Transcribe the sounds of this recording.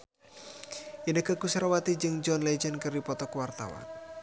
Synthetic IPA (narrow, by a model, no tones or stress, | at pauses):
ʔinəkəkusɾawat̪id͡ʒɨŋd͡ʒɔnled͡ʒənkərdipɔt̪ɔkəwart̪a̰wa̰n